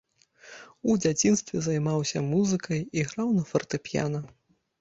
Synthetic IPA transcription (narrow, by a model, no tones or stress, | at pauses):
ud͡zʲat͡sʲinst̪vʲɛzɐjmawsʲɐmuzɨkɐjiɣɾawnɐfɐrt̪ɨpʲja̰nɐ